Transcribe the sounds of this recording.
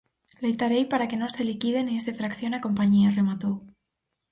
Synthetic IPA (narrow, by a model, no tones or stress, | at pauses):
lejt̪aɾejpaɾake̞nõselikið̞e̞niesðefɾakθjo̞nako̞mpaɲiare̞mat̪u